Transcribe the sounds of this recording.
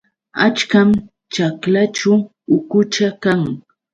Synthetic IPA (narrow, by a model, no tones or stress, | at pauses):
a̰t͡ʃkam | t͡ʃaklat͡ʃa | ʊkʊt͡ʃakaŋ